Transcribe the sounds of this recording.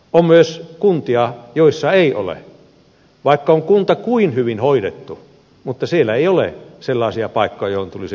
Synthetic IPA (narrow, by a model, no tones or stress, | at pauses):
ommyøskunt̪iɑjoisːɑeiʔo̰lḛ | ʋɑˑikːɑoŋkunt̪ɑkuinhyʋinhoidet̪ːu | mut̪ːɑsielːæeiolḛselːɑˑːsiɑpɑˑikːojɑjohont̪ulis